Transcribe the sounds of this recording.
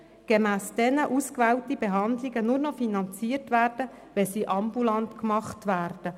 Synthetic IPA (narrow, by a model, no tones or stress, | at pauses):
ɡ̥ɛmæːsd̥ɛnəʔuːskʋɛːwtibɛɦɑnd̪lɪɡənʊɾnɔfinɑnt͡siːəɾtʋæːrd̥ə | ʋɛsiːʔɑmbulɑntkmɑχtʋæːrd̥ə